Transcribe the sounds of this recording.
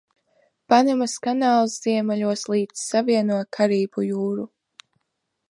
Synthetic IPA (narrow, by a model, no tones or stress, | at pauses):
panɛmaskanaːlˠsz̥iɛmɛʎuɔslˠiːd̪ssaviɛnuɔjkʰaɾiːbujuːɾu